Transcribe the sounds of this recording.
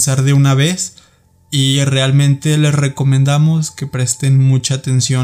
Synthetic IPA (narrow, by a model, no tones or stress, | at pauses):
saɾðe̞unaβ̞e̞s | ire̞almẽ̞nt̪e̞le̞sre̞ko̞mẽnd̪amo̞ske̞pɾe̞st̪e̞nmut͡ʃaːt̪ensjo